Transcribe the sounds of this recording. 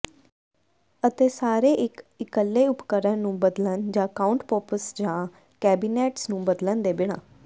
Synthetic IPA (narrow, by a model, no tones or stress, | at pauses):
ət̪eːsaːɾeːʔɪkɪkəlːeːʊpkəɾənnũːbəd̪lənd͡ʒãːkaːʊɳʈpɔːpəsd͡ʒãː | kɛːbiːneːʈsnũːbəd̪lənd̪eːbɪɳã̰ː